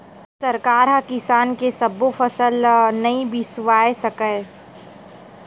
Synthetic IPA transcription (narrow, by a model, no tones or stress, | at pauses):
sɐɾkaːɾɦɐkɪsaːnkesɐbofɐsəlnɐĩbʱiswaːesɐkə